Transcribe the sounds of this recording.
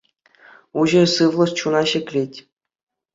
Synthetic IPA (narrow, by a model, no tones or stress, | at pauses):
uʑɘ̆rʲsɯʋlˠɤ̆st͡ɕunɑɕɘ̆kʲlʲetʲ